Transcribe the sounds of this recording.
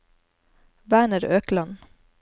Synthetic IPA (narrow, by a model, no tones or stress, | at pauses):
bæːɳəɾøːklɑn